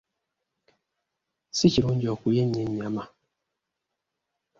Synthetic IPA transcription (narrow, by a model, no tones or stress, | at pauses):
siciɾuɲd͡ʒɔkujeɲɛɲama